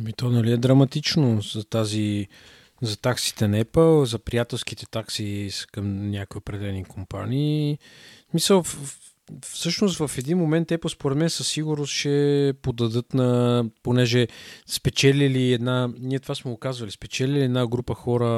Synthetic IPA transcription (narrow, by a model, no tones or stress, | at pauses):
ɐmit̪ɔnɐliɛd̪ɾɐmɐt̪it͡ʃnozɐt̪azi | zɐt̪aksi̥t̪ɛnɐɛpəlˠzɐpɾijat̪ɛlˠsk̟it̪ɛt̪aksiskəmnʲakoiopɾɛd̪ɛɛlɛnikʰompa̰niː | smisəlˠ | fsɤʃnost̪vəfɛd̪inmomɛnt̪ɛpəlˠspoɾɛt̪mɛnsəsːiɡʊɾnʊst̪ʃɛpod̪ɐd̪ɤt̪nɐponɛʒɛspɛt͡ʃɛlʲiliɛd̪naniɛt̪ovasmɛɡokazvəlispɛt͡ʃɛliliɛd̪naɡɾupəxɔɾə